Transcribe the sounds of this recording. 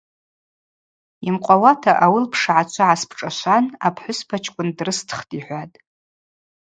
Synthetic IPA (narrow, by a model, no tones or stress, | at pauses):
imqʷʼawatʰaʔawɨlpʰʂʕat͡ʃʷʰaʕaspʰʈ͡ʂʼaʃʷanapʰħʷʊspʰat͡ʃʰʼkʷʼʊndrɨstʰχtʼiħʷatʼ